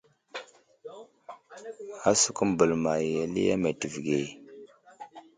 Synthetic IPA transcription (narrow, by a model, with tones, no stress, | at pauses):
a˦su˨ku˦m˨bə˨lma˨je˨lḭ˦a̰˦me˨ti˨vɡe˨